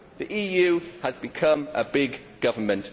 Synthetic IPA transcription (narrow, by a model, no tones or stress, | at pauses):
ðiʔiːjʉːəzbɪkʰʌ̃məbɪɡ | ɡ̥ʌvəmə̃nʔ